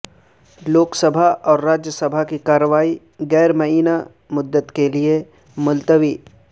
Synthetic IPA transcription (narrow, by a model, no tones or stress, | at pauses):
loːksəbʱaʔɔːɾːaːd͡ʒjəsəbʱakikaːɾəʋaːi | ɡɛːɾmɐɦiːna | mʊd̪ːət̪kelie | mʊlt̪əʋiː